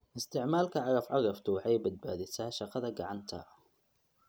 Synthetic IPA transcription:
ʔɪst̪ɪʕmaːlkʔaʕɾˤɑfʕɑɣˤɑft̪uħajbat̪̚baːd̪ɪsaʃɑqɑðaɡaʕant̪ʰa̰

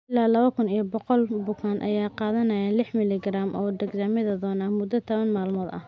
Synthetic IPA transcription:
ɪlaːlɐβɐkʰʊnijɔbɔqɔlbʊkʰaːnʔɐ̰jaːqɑːðɐnɐjalɪħmɪlɪɡraːmʔɔːd̪ɐɡzaːmɪðɐd̪ɔːnaːmʊd̪ːɐt̪ʰɐβɐnmaːlmɔːd̪ɐ̰

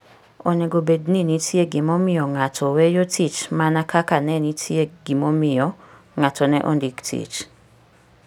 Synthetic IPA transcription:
oneɡobedninitʰjeɡɪmomɪjɔŋatʰɔwejotʰit͡ʃmanakʰakanɛnitʰjeɡimomɪjɔ | ŋatɔnɛ̰ʔo̰ndiktʰḭt͡ʃ

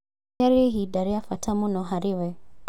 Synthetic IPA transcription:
ɛɾeɦidaɾɪafatʰamʊnɔɦaɾɪwɛ

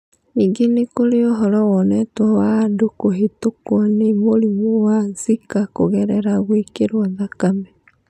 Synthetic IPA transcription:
niɡenekoɾeoɦɔɾɔwɔnɛtwɔwadukoɦetokwɔnemoɾimuwanzikakoɣɛɾɛɾaɣwekeɾwɔðakamɛ

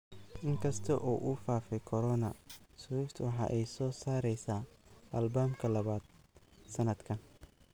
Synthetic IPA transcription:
ʔɪŋkʰɐst̪ʰɐʔɔːʔufaːfɛjkʰɔɾɔnɐsʊʊft̪ʰwɑħɑ̰ːʔɛjsɔːsaːɾɛjsaːʔɐlbaːmkʰɐlɐβaːd̪̥̚sɐnɐd̪kʰɐn

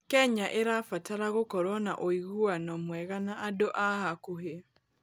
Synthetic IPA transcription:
kɛɲaʔeɾafataɾaɣokɔɾwɔna̰ʔoiɣuanɔmwɛɣanaadoʔahakoɦea

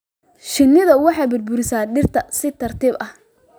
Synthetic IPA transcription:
ʃɪnːɪðɐwɑħɑjbʊd̪bʊɾɪsaːɖɪrt̪ʰɐsɪt̪ʰɐrt̪ʰiːbɐh

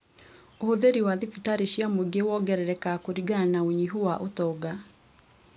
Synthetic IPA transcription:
ohoðeɾiwaðifitaɾeɕjamoeɡewɔɡɛɾɛɾɛkakoɾiɡanaoɲiɦuwaʔotɔːɡa

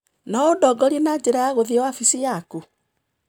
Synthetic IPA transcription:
naodɔɡɔɾienad͡ʒɛɾajaɣoðiɛwafisijaku

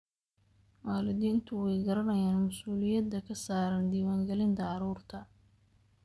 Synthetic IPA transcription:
waːlɪd̪iːnt̪ʰʊwɛjɡɐɾɐnɐjaːnmʊsuːlɪjɐd̪ːɐkʰɐsaːɾɐnd̪iːwaːŋɡɛlɪnt̪ʰɐʕɑɾuːrt̪ʰɐ

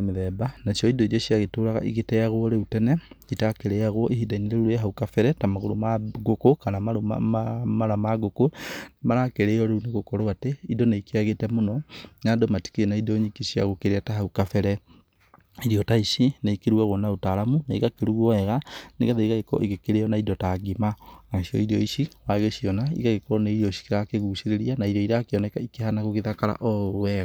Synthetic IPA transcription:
meðɛbanaʃiɔidoiɾioɕiaɣetoːɾaɣa̰ʔiɣetɛaɣoɾeutɛnɛitakeɾeaɣwɔʔiɦidaineɾeɾuɾeɦaukafɛɾɛtamaɣoɾomaɡokokanamaɾoma̰maɾamaɡokonmaɾakeɾeɔɾeuneɣokɔɾoateidonaikeaɣetɛmonɔnadomati̥kenaidoɲikisiaɣokeɾeataɦaukafɛɾɛ | iɾiɔtaiʃinaikeɾuaɣonaotaɾamunaiɣakeɾuɣuɔɛɣaneɣaðeiɣaɣekɔ̰ʔeɣekeɾeɔnaidɔtaɡimanaʃiɔ̰iɾiɔiʃiwaɣeɕiɔnaḭɣaɣekɔneiɾiɔʃi̥keɾakeɣusiɾeɾianaiɾɔiɾakeɔnɛkaikeɦanaɣoɣeðakaɾa̰ʔɔwɛɣa

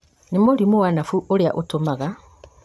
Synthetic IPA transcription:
nemolimuwanafuʔolja̰ʔotomaɣa

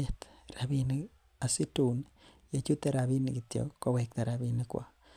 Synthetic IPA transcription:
et̪ɾaβini | asitunijet͡ʃuteɾaβiniɡitjo̰kowek̚t̪aɾaβinikwa̰

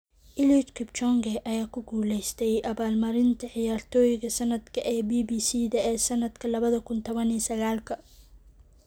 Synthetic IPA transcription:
ʔɪlit̪kʰɪbt͡ʃɔŋɡɛʔɐjaːkʰʊɡuːlɛjst̪ʰɛjʔɐβaːlmɐɾɪnt̪ʰɐʕɪjaːrt̪ʰɔːjɪɣɐsɐnɐd̪kʰɐʔɛbiːbiːsiːðɐɛːsɐnɐd̪kʰɐlɐβɐðɐkʰʊnt̪ʰɔβɐniːsɐɣaːlkʰɐ

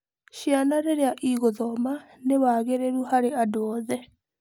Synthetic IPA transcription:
ʃjanaɾeɾeaʔiɣoðɔma | newaɣeɾeɾuhaɾeadoɔðɛ

